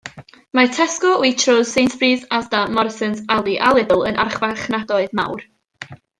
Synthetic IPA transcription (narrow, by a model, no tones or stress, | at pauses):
matʰɛskɔwitʰrozsejntʰb̥riːðazdamɔrsənsalˠiʔalˠɪðʊlˠənʔa̰rχvaχnadɔɨðma̰wr